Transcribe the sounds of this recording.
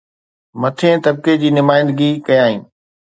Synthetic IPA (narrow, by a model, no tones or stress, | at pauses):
mɐt̪ʰẽt̪ɐb̚ked͡ʑiːnʊmaːɪ̃nd̪ɡikɐjaːɦĩː